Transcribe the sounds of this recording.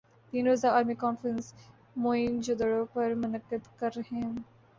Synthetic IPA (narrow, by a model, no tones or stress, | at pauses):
t̪iːnɾoːzaaːɾmikɔːnfɾə̃ns | moːind͡ʒʊd̪əɽõpɐɾmʊnəqːəd̪kɐɾɦẽː